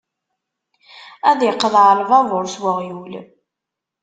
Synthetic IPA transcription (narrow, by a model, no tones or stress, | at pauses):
æðjəqːðˤlvɑvʊɾswəʁjul